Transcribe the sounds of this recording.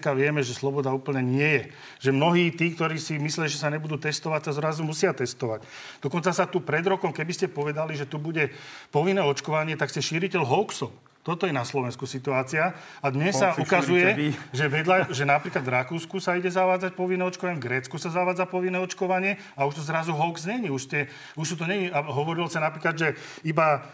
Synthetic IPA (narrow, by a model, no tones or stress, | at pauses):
kaʋɪɛmɛʒɛslɔbɔd̪auːpl̩ɲɛɲɪɛjɛ | ʒɛmnɔɦiːt̪iːkt̪ɔɾiːsimislijaʒɛsaɲɛbud̪uːt̪ɛst̪ɔʋacsazɾazumusɪat̪ɛst̪ɔʋac | d̪̥ɔkɔnt͡sasat̪upɾɛd̪ɾɔkɔmkɛbiscɛpɔʋɛd̪aliʒɛt̪ubuɟɛpɔʋinːɛːɔt͡ʃkɔʋaɲɪɛt̪akscɛʃiːɾicɛlɦɔʊksɔp | t̪ɔt̪ɔjɛnaslɔʋɛnskusit̪uaːt͡sia | ad̪ɲɛsːaukazujɛʒɛʋɛd̪ʎaʒɛnapɾiːklad̪ʋvɾakuːskusaiɟɛzaʋaːd͡zac̚pɔʋinːɛɔt͡ʃkɔʋaɲɛvɡɾɛːt͡skusazaʋaːd͡zapɔʋinːɛːɔt͡ʃkɔʋaɲɪɛ | auʃt̪ɔzɾazuɦɔʊkzɲɛɲiuʃscɛ | uʃt̪ut̪̬ɔɲɛɲiaɦɔʋɔɾilɔsanapɾiːklad̪ʒɛ | iba